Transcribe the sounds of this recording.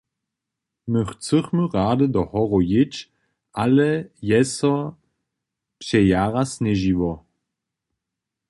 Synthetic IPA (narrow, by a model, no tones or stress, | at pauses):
məχt͡səχməʁaːdədɔhɔʁɔjɪt͡ʃ | ʔalɛjɛsɔ | pɕɛjaːʁasnɛʒiʋɔ